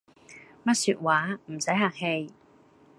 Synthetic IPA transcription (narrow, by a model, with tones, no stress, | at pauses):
mɐ˥t̚syː˧t̚waː˨˥m̩˨˩sɐ˨˥jɦaː˨˩ŋhe˧j